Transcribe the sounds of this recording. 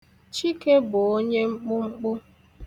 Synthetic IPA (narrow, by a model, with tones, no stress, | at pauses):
t͡ʃi˦ke˦bʊ˨o˦ɲe˦ŋ͡m̩˦k͡pʊ˦ŋ͡m̩˦k͡pʊ˦